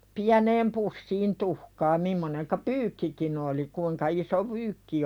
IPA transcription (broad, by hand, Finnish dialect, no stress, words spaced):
piæneːm pusːiːn tuhkɑː mimːoneŋkɑ pyːkːikin oli kuiŋkɑ iso pyːkːi